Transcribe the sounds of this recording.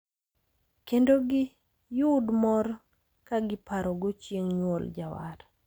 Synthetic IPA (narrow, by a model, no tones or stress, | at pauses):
kendoɡɪ | jʊdmɔɾ | kaɡɪpaɾɔɡot͡ʃjeŋɲwold͡ʒawa̰ɾ